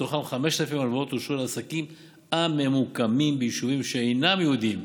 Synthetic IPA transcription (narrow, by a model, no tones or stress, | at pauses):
t̪oχamχame̞ʃtlafimalvaot̪oʃulasakim | ame̞mukamimbejiʃuvimʃeejnamjeud̪im